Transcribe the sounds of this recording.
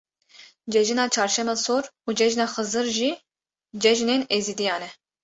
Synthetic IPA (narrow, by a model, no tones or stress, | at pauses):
d͡ʒɛʒinɑːt͡ʃʰɑːɾʃɛmɛːsoːɾuːd͡ʒɛʒnɑːxɨzɨɾʒi | d͡ʒɛʒneːneːziːd̪ijɑːnɛ